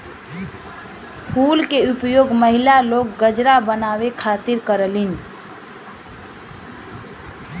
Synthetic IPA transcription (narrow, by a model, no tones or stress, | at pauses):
hulkeupjoɡməɦilalok̚ːəd͡ʒɾabənawekʰat̪iɾkəɾəlin